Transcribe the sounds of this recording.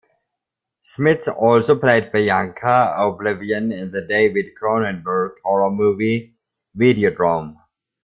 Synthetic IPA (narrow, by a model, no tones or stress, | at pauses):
smɪt̪sɔlsopʰl̥eɪd̚bɛjãŋkʰəoblɪviə̃nɪ̃nðədeɪwɪd̚kʰɹõʊ̃nɛ̃nbəɹtʰɔɹəmuvi | vidiodɹɔ̃m